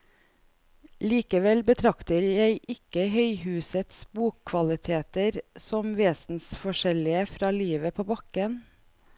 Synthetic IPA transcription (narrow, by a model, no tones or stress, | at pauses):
liːkəʋɛlbət̪ʰɾɑkt̪əɾjæɪʔɪkəhœʏhʉːsət̪sbuːkʰʋɑlɪt̪ʰeːt̪əɾsɔmʋeːsn̩sfɔʃɛlɪəfɾɑːliːʋəpʰoːbɑkən